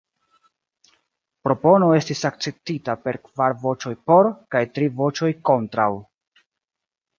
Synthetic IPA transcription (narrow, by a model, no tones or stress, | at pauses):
pɾo̞po̞no̞e̞stisak̚t͡se̞p̚titape̞ɾkvaɾvo̞t͡ʃo̞jpo̞ɾkajtɾivo̞t͡ʃo̞jko̞ntɾaw